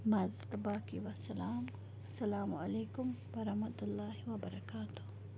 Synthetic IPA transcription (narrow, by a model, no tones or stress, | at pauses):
mazt̪abaːkiwɐsɐlaːm | ɐsːɐlaːmuɐleːkʊmwɐɾɐhmɐt̪ʊlːaːhiwɐbɐɾɐkaːt̪ʊ̥h